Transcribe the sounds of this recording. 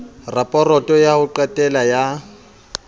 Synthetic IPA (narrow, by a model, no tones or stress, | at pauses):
rapʼɔrɔtʼɔjahʊǃatʼɛlaja